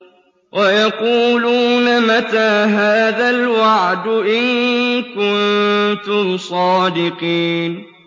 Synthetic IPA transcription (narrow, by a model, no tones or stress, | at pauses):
wʔajɑquːluːnamat̪aːɦaːðalwaʕd̪ʔɪnkʊnt̪ʊmsˤɑːd̪ɪqiːn